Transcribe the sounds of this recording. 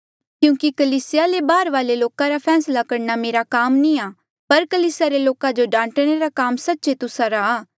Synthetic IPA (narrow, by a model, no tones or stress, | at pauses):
kjũːkikɐliːsɪjalebaːɾʋaːleloːkãɾapʰɛːslakɐɾnameːɾakaːmnĩaː | pɐɾkɐliːsaɾeloːkãd͡ʒoɖãːɳʈɽ̃eɾakaːmsɐtːʃet̪ʊsaɾaaː